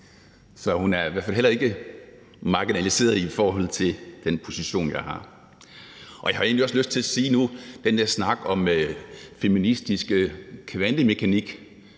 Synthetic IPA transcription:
sɒ̽hunæɐiʋæɐ̰fælɦelɐe̝ɡ̥ə | mɑ̈ɡ̥inælise̝̰ːɐðˠifɒːɦɒ̽l̰t͡sʰe̝ld̥enpʰo̝siɕo̝̰ːnjɑ̈ɪhɑ̈ | ʔɒ̽jɑ̈hɑ̈e̝ːnliɒ̽sløsd̥̚t͡sʰe̝læsiːnud̥end̥eɐsnɑ̈ɡ̥ɒ̽møfeminisd̥isɡ̥əkʰːʋænlime̝kʰæniɡ̥

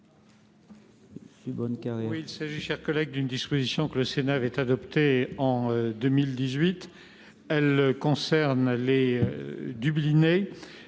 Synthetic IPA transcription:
sybɔnkaʁjɛwiilsaʒiʃɛʁkɔlɛɡ̚d̪ynd̪ispozisjɔ̃kələsenaːvɛt̪ad̪ɔpt̪eɑ̃d̪əmild̪izɥit̪ | ɛlkɔ̃sɛʁnleød̪ybline

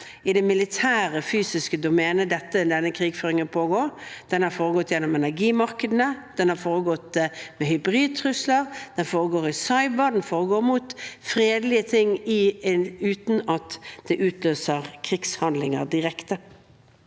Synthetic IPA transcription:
ɪd̪ɛmɪlɪt̪ʰæːʁəfyːsɪskəd̪ʊmɛːnəd̪ɛt̪ːəd̪ɛnːəkʰɾiːɡføːɾɪŋənpʰoːɡoːɾd̪̥ɛnhɑɾfoːɾəɡɔt̪ːjɛnːɔmɛnæɾɡiːmɑɾkəd̪ənəd̪̥ɛnhɑɾfoːɾəɡɔt̪ːmɛhʏbɾiːd̪̚t̪ʰɾʉslɑɾd̪̥ɛnfoːʁəɡoːɾɪsɑɪbəd̪ɛnfoːɾəɡoːɾmuːt̪fɾeːd̪lɪət̪ʰɪŋɪʉːt̪nɑt̪d̪̥ɛʔʉːt̪løːsəʁkʰɾɪɡshɑnd̪lɪŋɑ̰ɾd̪ɪʁɛkt̪ə

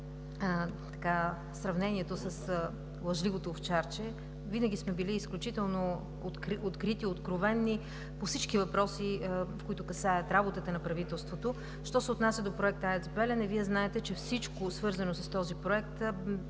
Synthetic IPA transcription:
t̪ɐ̥ka | sɾɐvnɛniɛt̪osəs | lˠɐʒlivot̪oːft͡ʃaɾt͡ʃɛ | vinəɡ̟ʲismɛbiliːsklʲut͡ʃit̪ɛlˠno | t̪kɾot̪kɾit̪iot̪kɾovɛnːi | pofsit͡ʃkivɐpɾɔsifkoit̪ʊkɐsaɐt̪ɾabot̪ət̪ənɐpɾɐvit̪ɛlˠst̪vot̪o | ʃt̪ɔsɛot̪nasʲɐd̪opɾoɛk̚t̪əɛzbɛlɛnɛviɛznaɛt̪ɛt͡ʃɛfsit͡ʃkosvɤɾzɐnosɐst̪ɔzipɾoɛk̚t̪

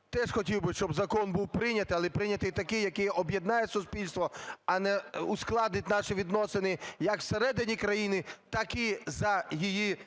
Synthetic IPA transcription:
t̪ɛʃxɔtʲiwbɪʃt͡ʃɔbzɐkɔnbuwpɾɪnʲɐt̪ɪɐlˠɛpɾɪnʲɐt̪ɪjt̪ɐkɪjɐkɪjʔɔbjed̪nɑjɛsʊspʲilʲst̪ʋɔɐnɛusklˠɑd̪nɪtʲnɑʃɪʋʲid̪nɔsɪnɪjɐkwseɾɛd̪ɪnʲikɾɐjinɪt̪ɑkɪzɐjiji

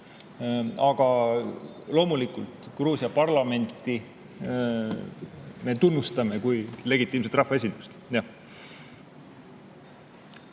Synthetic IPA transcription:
ɑɡ̥ɑ | lo̞ːmulikːˑult̪kruːsiɑpɑrlɑme̞nt̪ːˑi | me̞t̪unːust̪ɑme̞kujle̞ɡit̪ːˑiːms̬et̪rɑhfɑes̬ʲind̪̥ust̪jɑ

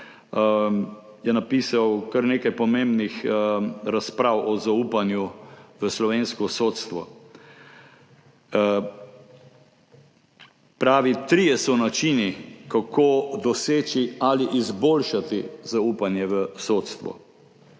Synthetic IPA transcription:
jɛnapiːsawkaɾneːkajpɔmẽmbnix | ɾaspɾaːwʔɔzaupanjuʋəslɔʋeːnskɔsoːt̪st̪ʋɔ̰ | pɾaːʋit̪ɾiːjɛsɔnat͡ʃinikakʰoːd̪ɔseːt͡ʃialiʔizboːlʃat̪izauːpanjɛʋəsot̪st̪ʋɔ̰

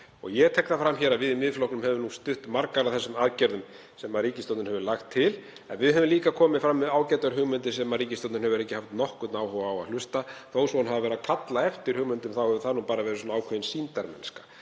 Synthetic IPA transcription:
ɔ̰ɣjɛt̪ʰɛknafɾamçɛɾaðvɪðʏmːɪðflɔhknʏmhɛvʏnust̪ʏht̪maɾkaɾaðθɛsːʏmaðcɛɾðʏm | sɛmːaðɾiːcɪst̪ɔwt̪ʏnhɛvʏlaxt̪ʰːɪl | ɛnvɪðɦɛvʏmliːkakʰɔːmɪðfɾamːɪðaːwcɛt̪aɾɦʏɣmʏnt̪ɪsɛmːaɾriːcɪst̪ɔwt̪nɦɛvʏɾɛhcːɪhaft̪nɔhkʏt̪naːwhɔwaːwa̰ðlʏst̪aθowsɔanɦavavɛɾakʰat̪laɛft̪ɪɾ̥hʏɣmʏnt̪ʏmθawhɛvʏθanupaːɾavɛɾɪsɔnaaːwkʰœɪnsint̪aɾmɛ̰nskḁ

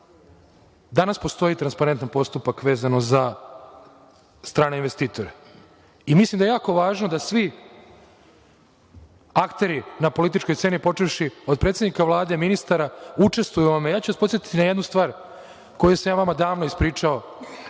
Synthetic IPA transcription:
d̪anaspo̞st̪o̞it̪ɾanspaɾe̞nt̪anpo̞st̪upakʋe̞ːzano̞za | st̪ɾaːneinʋe̞st̪iːt̪o̞ɾe | imislˠimd̪ajejaːko̞ʋaːʒnod̪asʋi | akt̪e̞ɾinapo̞lit̪̬it͡ʃko̞jse̞nipo̞t͡ʂeʋʃio̞d̪pɾet̪jenikaʋlˠaːd̪eminist̪aɾaut͡ʂe̞st̪ʋujuʋamejaːt͡ɕuʋaspot̪jet̪i̥t̪inajed̪nust̪ʋaːɾ | ko̞juesamjaːʋamad̪aːʋnoispɾiːt͡ʂao̞

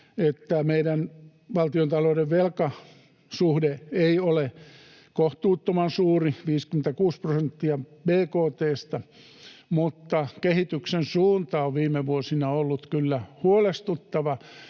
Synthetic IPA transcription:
et̪ːæmeiɾæn | ʋɑlt̪iont̪ɑloudeʋʋelkɑ | suhdeeiole | koht̪uːt̪ːomɑnsuːriʋiːskymĕnt̪ækuːsprosent̪ːiɑbeːkoːt̪eːst̪ɑ | mut̪ːɑkehit̪yksensuːnt̪ɑoʋʋiːmeʋuosinɑolːut̪kylːæhuolest̪ut̪ːɑʋɑ

